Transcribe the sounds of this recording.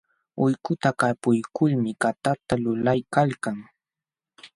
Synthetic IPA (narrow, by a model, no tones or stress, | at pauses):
ʊjkʊt̪akapʊjkʊlmɪkat̪at̪alʊlajkalkaŋ